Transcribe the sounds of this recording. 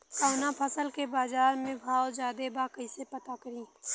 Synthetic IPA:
kaːnapʰəsəlkebaːzaːɾmẽbʱaːod͡ʒaːd̪ebaːkəisepɐt̪akəɾĩː

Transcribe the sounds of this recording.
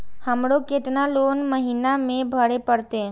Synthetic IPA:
həmɽokɪt̪naloːnməɦiːnamẽbʱəɽepəɾt̪e

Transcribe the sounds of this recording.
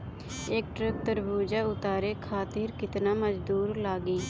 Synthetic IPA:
eːk̚ʈɾək̚t̪əɾbuːd͡ʒaːʊt̪aːɾeːkʰaːt̪ɪːɾkɪt̪naːməd͡ʒd̪uːɾlaːɡiː

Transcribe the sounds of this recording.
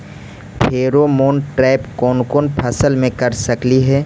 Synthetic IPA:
pʰeːɾomoːnʈɾɛːɪpkɔːnkoːnpʰɐsəlmẽkɐɾsɐkliɦɛː

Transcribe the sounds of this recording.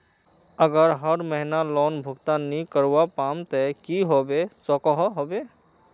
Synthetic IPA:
əɡəɾɦəɾməɦɪnalɔːnbʱʊɡt̪anikəɾwapaːmt̪ɛkiɦobesɔkɔɦɔɦoːbe

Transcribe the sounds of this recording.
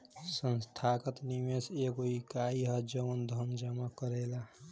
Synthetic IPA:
sənst̪ʰakət̪nimeseɡoikaiɦəd͡ʒəʋənd̪ʱənd͡ʒamakəɾela

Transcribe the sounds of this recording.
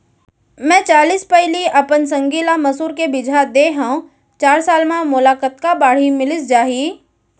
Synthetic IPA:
mɛ̃ːt͡ʃaːliːspəɪliɐpəns̬ɐ̃ŋɡiːlamɐsuːɾkebɪd͡ʒʱad̪eɦãũ | t͡ʃaːɾsaːlmãmʊlaːkət̪̚kabaːɽ̤imɪlɪsd͡ʒaːɦiː

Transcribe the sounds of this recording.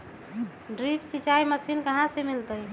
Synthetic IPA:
ɖɾipsit͡ʃaiməsinkəɦãsemilt̪əj

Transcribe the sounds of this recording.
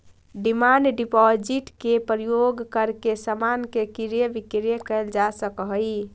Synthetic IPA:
ɖimanɖɖipɔd͡ʒiʈkepɾijoɡkəɾkesəmankekiɾjəbikɾjəkəld͡ʒasəkɦəj

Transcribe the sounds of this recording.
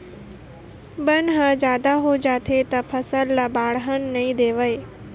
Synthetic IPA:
bənɦəd͡ʑaːd̪aɦod͡ʒaːt̪ʰet̪ɐpʰɐsəlːabaːɽɦənnɐĩd̪eːʋəe

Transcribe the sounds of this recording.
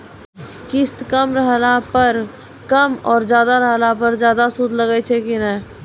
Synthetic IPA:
kɪst̪kəmɾəɦlapəɾ | kəmɔːɾzjaːd̪aɾəɦlapəɾd͡ʒjaːd̪asud̪ʱləɡət͡ʃʰɛekinɛː

